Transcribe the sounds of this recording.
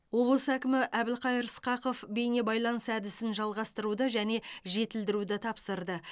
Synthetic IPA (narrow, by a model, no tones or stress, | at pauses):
wo̞blˠəsækʲɪmɪʔæbɪlqʰɑjəɾsqɑqo̞fbe̞jne̞bɑjlˠɑnəsæd̪ɪsɪnʒɑlˠʁɑst̪əɾud̪əʒæne̞ʒe̞t̪ɪld̪ɪɾud̪ɪt̪ʰɑpsəɾd̪ə